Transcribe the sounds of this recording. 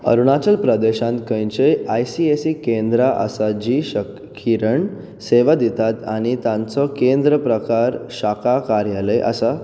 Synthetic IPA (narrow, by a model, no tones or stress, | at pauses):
ə̰ɾuɳat͡ɕəlpɾəd̪eɕãnt̪̚kə̃jt͡ɕeajsiesikẽnd̪ɾaʔə̰sad͡ʑiɕək | kʰiɾəɳ | seʋad̪it̪at̪a̰ɽ̃it̪ãnt͡sɔkẽnd̪ɾəpɾəkaɾɕakakaɾjaleʔə̰sa